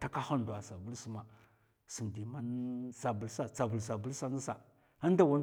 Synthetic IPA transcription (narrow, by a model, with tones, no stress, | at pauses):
ta˦ka˦xa˦n˨du˨a˨sa˨bu˦lsu˦ma˨ | si˨mdi˨ma˦nsa˨bu˨lsa˦t͡sa˨bu˨lsa˨bu˨˦lsa˦na˦sa˨ | a˦n˦da˨wa˦n˦